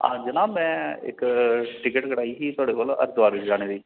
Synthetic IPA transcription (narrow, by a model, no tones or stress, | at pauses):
a̰ːd͡ʒənãːmɛ̃ːɪ̰kʈɪkəʈkəɽaːiːsiːt̪ʊaːɽeːkoːlə̰ɾd̪ʋaːɾʋɪt͡ʃd͡ʒaːñeːd̪iː